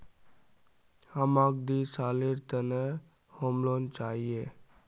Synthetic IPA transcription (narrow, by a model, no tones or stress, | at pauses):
həmak̚d̪isaːleɾt̪ənə | homlont͡ʃaːɦie